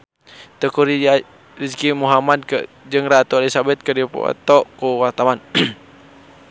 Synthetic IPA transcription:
t̪əkuɾ | riskimuɦamad̚kə | d͡ʒəŋɾat̪ualisabɛt̪̚kədipɔ̰t̪ɔʔkuwart̪awan

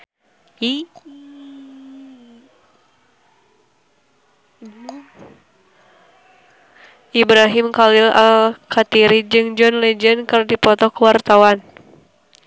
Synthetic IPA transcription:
ʔibɾaɦimkalilalkʰat̪iɾid͡ʒɨŋd͡ʒɔnlɛd͡ʒənkɨrdipɔt̪ɔkuwart̪awan

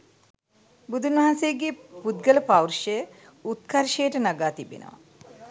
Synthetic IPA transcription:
bud̪ʱunʋɐɦansejəɡepud̪̚ɡələpawrʂəjə | ut̪̚kʰɐɾʃejəʈənaɡaːt̪ibḛnə̰ʋa̰

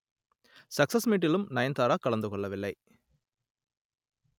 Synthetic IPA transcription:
sɐksɐsmiːʈ̬ːilumnɐjɐnt̪aːɾaːkɐɭɐnd̪ukɔɭːɐʋilːɐj

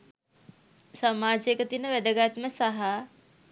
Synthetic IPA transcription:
samaːd͡ʒkət̪inəʋæd̪əɡat̪məsaɦa

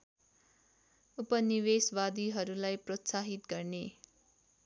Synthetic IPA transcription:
upʌniweswad̪iɦʌɾulajprʌt̪saɦit̪ɡʌrne

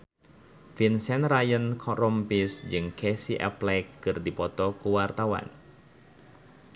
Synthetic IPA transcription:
finsɛnrajənkʰɔrɔmpisd͡ʒɨŋkɛsiʔɛ̰plɛkːɨrdipɔt̪ɔkuwart̪awa̰n

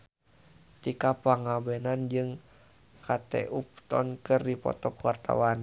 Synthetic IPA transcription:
t̪ikapaŋabɛnand͡ʒɨŋ | kʰat̪ɛ̰ʔup̚t̪ɔnkɨrdipɔ̰t̪ɔkuwart̪a̰wan

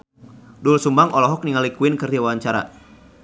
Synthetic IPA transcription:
dulsumbaŋɔlɔɦɔk̚niŋalikuɪnkɨrdawaaɲt͡ʃaɾa̰

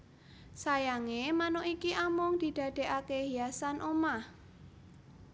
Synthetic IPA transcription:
sajaŋemanoikiʔamʊŋd̪̥i̤d̪̥ä̤d̪̥e̤ʔakeɦijasanʔomah

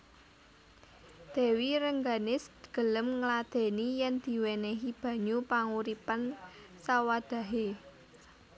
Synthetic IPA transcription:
d̪̥e̤wiɾəŋɡanɪsɡ̥ə̤ləmŋlad̪̥e̤nijɛnd̪̥i̤wenɛɦib̥ä̤ɲupaŋuɾipan | sawad̪̥ä̤ɦe

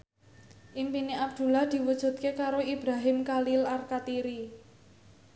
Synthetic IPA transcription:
ʔimpineab̚d̪̥ṳlahd̪̥i̤wud̥ʒ̥ṳt̪̚kekaɾoib̥ɾaɦɪmkalilarkat̪iɾi

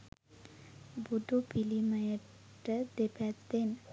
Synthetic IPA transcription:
bud̪upiliməjə | ʈəd̪epat̪d̪en

